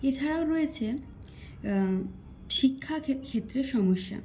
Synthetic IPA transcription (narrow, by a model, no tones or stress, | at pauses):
et͡ɕʰaɽaoɾɔet͡ɕʰe | ʃikʰːakʰet̪ːɾeʃɔmoʃːa̰